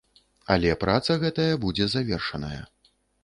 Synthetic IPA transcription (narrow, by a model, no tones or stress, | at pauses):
a̰lʲɛpɾat̪sɐɣɛt̪ɐjɐbud͡zʲɛzavʲɛrʂɐnɐjɐ̰